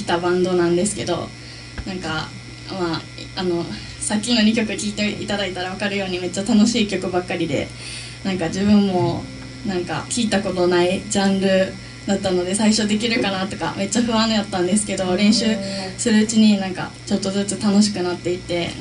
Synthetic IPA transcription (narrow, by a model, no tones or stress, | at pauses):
i̥t̪abãnd̪o̞nãnd̪e̞sɨ̥ke̞d̪o̞̰ | nãŋka | maː | no̞ | sakʲːino̞ɲ̟ʲikʲo̞kɯ̟kʲiːt̪eit̪ad̪ait̪aɾaβ̞akaɾɯ̟jo̞ːɲ̟ime̞t͡ɕːat̪ano̞ɕiːkʲo̞kɯ̟bakːaɾʲid̪e̞̰ | nãŋkad͡ʑiβɯ̟̃mːo̞ | nãŋka̰kʲiːt̪ako̞t̪o̞naid͡ʑãnɾɯ̟ | d̪at̪ːano̞d̪e̞saiɕo̞d̪e̞k̬ʲiɾɯ̟kanat̪o̞ka̰me̞t͡ɕːaɸɯ̟βãñkat̪ːãnd̪e̞sɨ̥ke̞d̪o̞ɾẽ̞ɰ̃ɕɨːsɨɾɯ̟ɯ̟t͡ɕiɲ̟inãŋka̰ | t͡ɕo̞t̪ːo̞zɨt͡sɨt̪ano̞ɕ̬i̥kɯ̟nat̪ːe̞it̪ːe̞